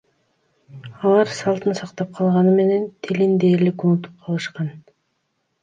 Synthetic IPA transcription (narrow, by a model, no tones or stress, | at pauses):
ɑlˠɑɾsɑlˠt̪ɯnsɑqt̪ɑp̚qʰɑlˠʁɑnɯme̞ne̞nt̪ʰilind̪eːɾlikunut̪u̥p̚qʰɑlˠɯʃqɑn